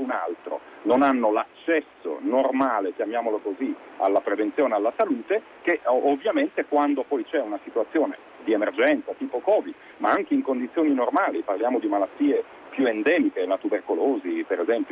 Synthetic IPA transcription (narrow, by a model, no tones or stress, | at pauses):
una̰lt̪ɾo̰ | nonanːolat͡ʃːɛsːo̰normaːlekjamjaːmolokozi | a̰lːapɾevent̪joːnealːasaluːt̪e | keovːjament̪ekwand̪opɔjt͡ʃɛunasit̪uwat̪sːjoːne | d̪iemerd͡ʒɛnt̪sat̪iːpokɔːvid̪ | maaŋkeiŋkond̪it̪sːjoːninormaːliparljaːmod̪imalat̪ːiːe | pjuend̪ɛːmikelat̪uberkoloːzipeɾezɛmpjo